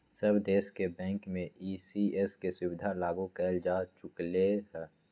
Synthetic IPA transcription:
səbd̪eːskebɛ̃ːŋkmẽiːsieːskesʊwɪd̪ʱalaːɡukɛːld͡ʒaːt͡ʃʊkleɦɛː

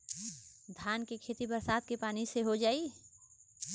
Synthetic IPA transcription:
d̪ʱjaːnkekʰeːt̪ibɐɾsaːt̪̚kepaːniseɦod͡ʒaːi

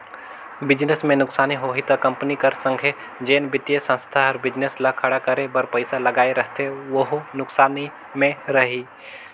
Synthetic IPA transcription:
bɪd͡ʒnesmẽnʊksaːniɦoːɦit̪ɐkɐ̃mpnikɐɾsə̃ŋɡʱe | d͡ʒeːnbɪt̪ijesə̃nst̪ʰaɔɾbɪd͡ʒneslakʰɐɽakəɾebəɾpəɪsalɐɡaːeɾəɦt̪ʰeʋəɦnʊksaːni | mẽɾɐɦi

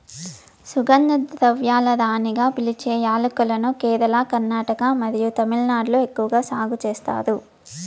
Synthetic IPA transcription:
suɡɐnd̪ɐd̪ɾɐʋjaːlɐd̪aːniɡaːpilit͡ʃɛːjaːlukɐlɐnukɛːɾɐlaːkɐɾnaːʈɐkamɐd̪ijut̪ɐmilnaːɖloekːuʋɐɡaːsaːɡut͡ʃeːst̪a̰ːd̪u

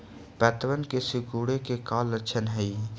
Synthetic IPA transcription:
pɛːt̪ʋənkesɪkuːɽekekaːlːəʃʰənɦɛiː

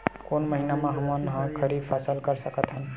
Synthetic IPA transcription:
koːnməɦinamãɦɐmənɦãkʰəɾibfʰasəlkəɾsəkət̪ɦãn

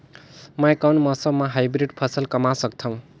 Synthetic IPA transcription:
majkawnmʌsʌmaɦajbɾiɖpʰʌsʌlkʌmasʌk̚t̪ʰʌw̃

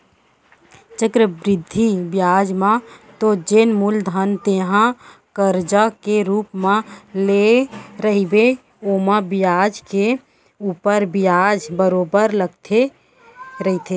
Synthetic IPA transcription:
t͡ʃəkɾəbɾɪd̪ʱːibjaːd͡ʒmãt̪od͡ʒenmuld̪ʱənt̪eːɦã | kəɾd͡ʒakeɾuːpmãleɾəɦibe | oːmãbɪjaːd͡ʒke | uːpəɾbɪjaːd͡ʒbəɾoːbəɾləɡt̪ʰe | ɾəɦit̪ʰe

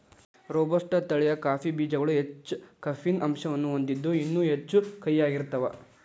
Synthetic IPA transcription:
ɾoːbɐʂʈɐt̪ɐɭɛjɐkaːpibiːd͡ʒɐɡɐɭuɦet͡ʃːkɐfinʔɐmʃɐʋɐnːuond̪id̪ːuinːuːɦet͡ʃːukɐjːaːɡiɾt̪ɐʋɐ

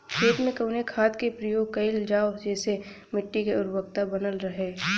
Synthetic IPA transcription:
kʰeːt̪mẽkəʊnekʰaːt̪kepɾəjoːɡ̚kɐɪld͡ʒaːod͡ʒɛːse | mɪʈːikeʊɾbəkt̪abɐnəlɾɐɦeː

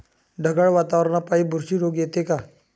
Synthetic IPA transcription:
ɖʱəɡəɭʋaːt̪awəɾnapaːibʱuɾʃiɾoːɡjet̪eka

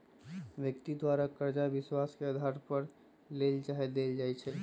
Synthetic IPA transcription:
ʋjəkt̪id̪waːɾakəɾd͡ʒaʋɪswaːskeəd̪ʱaːɾpəɾ | leːld͡ʒaɦed̪eːld͡ʒaːɛt͡ʃʰɛː

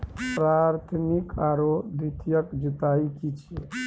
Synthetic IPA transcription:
pɾaɾt̪ʰmikaɾod̪it̪ʰjəkd͡ʒut̪aikit͡ʃʰe

